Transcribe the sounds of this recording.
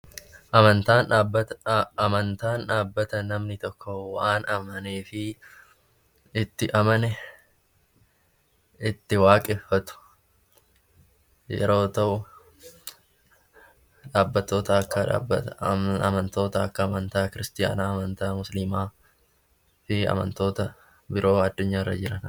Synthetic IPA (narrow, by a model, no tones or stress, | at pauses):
ʔɐmɐnt̪aːnaːbːɐt̪ɐmɐnt̪aːnᶑaːbːɐt̪ɐnɐmnɪt̪ɔkːɔwɐʔaːnɐmɐneːfɪ | ɪt̪ːɪʔɐmɐnɛ | ɪt̪ːɪwaːkʼɪfːɐt̪ʊ̥ | jɛ̰ɾo̞ːt̪ɐʔʊ | ᶑaːbːɐt̪ːo̞ːt̪ɐɐkːɐᶑa̰ːbɐɐ̰mɐnt̪o̞ːt̪ɐɐkːɐːmɐnt̪aːkɪɾɪst̪ɪja̰ːnaːɐmɐnt̪aːmʊslɪmaː | fɪɐ̰mɐ̰nt̪o̞ːt̪ɐ | bɪɾʔo̞ːɐd̪ːʊɲːaːɪrːɐ̰d͡ʒɪɾɐn